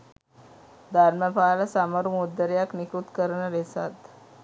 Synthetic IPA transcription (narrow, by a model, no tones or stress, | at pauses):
d̪ʱaɾmjapalasaməɾumud̪əɾjaknikut̪kəɾɳəɾesa̰t̪